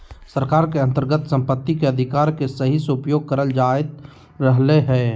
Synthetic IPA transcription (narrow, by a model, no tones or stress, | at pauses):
səɾkaːɾkeə̃nt̪əɾɡət̪sə̃mpət̪ːikeɐd̪ʱɪkaːɾkesəɦisʊpjoːɡ̚kəɾəld͡ʒaːɪt̪ | ɾəɦleɦɛː